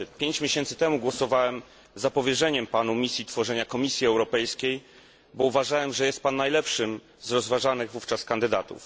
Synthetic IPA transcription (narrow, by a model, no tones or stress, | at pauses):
pʲjeɲt͡ɕmʲjeɕɛnt̪sɘ̥t̪ɛmuɡwɔsɔvawɛm | zapɔvʲjɛʐɛɲɛmpanumʲisʲjit̪fɔʐɛɲakɔmʲisʲjiɛwɾɔpɛjskʲej | bɔuvaʐawɛmʐɛjɛst̪̚panːajlɛpʂɘm | zɾɔzvaʐanɘɣvuft͡ʂaskand̪ɘd̪at̪ṵf